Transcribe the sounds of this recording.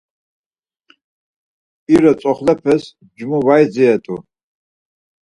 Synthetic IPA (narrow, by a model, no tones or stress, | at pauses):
iɾɐt͡sʼɔχlɛpʰɛs | d͡ʒmuvajd͡ziɛt̪ʼṵ